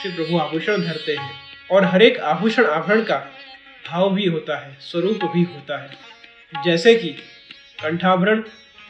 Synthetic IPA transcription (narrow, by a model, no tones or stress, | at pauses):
sep̬ɾɐbʱuaːbʱuːʃəɽ̃d̪ʱɐɾt̪eɦɛ̃ːɔːɾɦɐɾeːkaːbʱuːʃəɽ̃aːbʱəɾəɽ̃ka | bʱaːʋbʱiɦoːt̪aɦɛːswɐɾuːpbʱiɦoːt̪aɦɛː | d͡ʒɛːseki | kɐ̃ɳʈʰaːbʱəɾəɽ̃